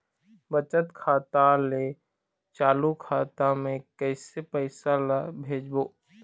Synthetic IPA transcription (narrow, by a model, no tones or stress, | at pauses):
bət͡ʃət̪kʰaːt̪ale | t͡ʃaːlukʰaːt̪amẽkəɪsepəɪsalabʱeːd͡ʒboː